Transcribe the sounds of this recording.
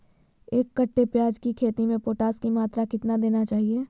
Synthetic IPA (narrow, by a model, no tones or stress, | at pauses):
eːkːɐʈːepjaːd͡ʒkikʰeːt̪imẽpoːʈaːskimaːt̪ɾakɪt̪nad̪eːnat͡ʃaːɦieː